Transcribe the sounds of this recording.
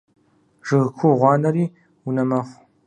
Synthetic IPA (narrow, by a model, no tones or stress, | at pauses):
ʒɨʁkʷʰuʁʷɑːnɐɾiː | unɐmɐχʷ